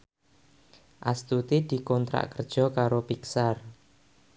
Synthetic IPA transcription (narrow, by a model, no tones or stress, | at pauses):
ʔast̪ut̪id̪̥i̤kɔnt̪ɾa̰ʔkərd̥ʒ̥ɔ̤kaɾopiksar